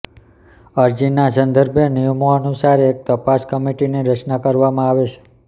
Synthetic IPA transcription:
əɾd͡ʒinasənd̪ʱəɾbʱjenijəmoənusaɾek̚t̪əpaskəmiʈiniɾət͡ʃnakəɾʋamãaʋet͡ʃʰe̥

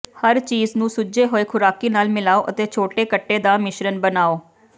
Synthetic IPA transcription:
həɾt͡ʃiːznũːsʊd͡ʒeːɦoːeːkʰʊɾaːkiːnaːlmɪlaːoːʔət̪eːt͡ʃʰoːʈeːkəʈːeːd̪aːmɪʃɾənbənaːoː

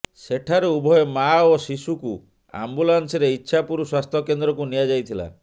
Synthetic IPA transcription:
seʈʰaɾeubʱɔjemaosisuku | a̰mbulanseɾeitːʃʰapuɾuswast̪ʰɔkend̪ɾɔkunijad͡ʒajt̪ʰila̰

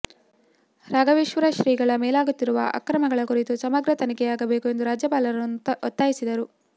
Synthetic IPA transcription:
ɾaːɡɐʋeːʃʋɐɾɐʃɾiːɡɐɭɐmeːlaːɡut̪ːiɾuʋɐ̰ʔɐ̰kɾɐmɐɡɐɭɐkuɾit̪usɐmɐɡɾɐt̪ɐnikɛjaːɡɐbe̞ːkue̞nd̪uɾaːd͡ʒjɐpaːlɐɾnːɔt̪ːaːjisid̪ɐɾu

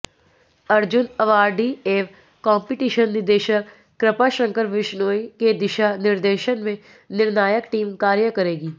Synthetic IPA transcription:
ɐɾd͡ʒʊnɐʋaːɾɖieːf | kɔ̃ːmpɪʈiːʃənːɪɾd̪eːʃəkː | ɾɪpaʃə̃ŋkəɾʋɪʃnoːiked̪ɪʃanɪɾd̪eːʃənmẽ | nɪɾnaːjəkʈiːmkaːɾjəkɐɾeːɡiː

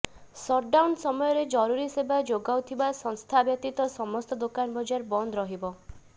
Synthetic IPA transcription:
sɔɾɖawnsɔmɔjɔɾed͡ʒɔɾuɾisebad͡ʒoɡawt̪ʰibasɔŋst̪ʰabjɔt̪it̪ɔsɔmɔst̪ɔd̪okanbɔd͡ʒaɾbɔnd̪ɔɾɔɦibɔ

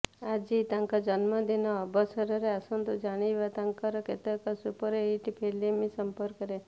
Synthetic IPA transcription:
ad͡ʒit̪ãŋkad͡ʒənmãd̪inoəbəsəɾəɾeasə̃nd̪ud͡ʒaɽ̃iʋat̪ãŋkaɾɔket̪əkasupəɾeiʈipʰelimĩsəmpəɾkːəɾe

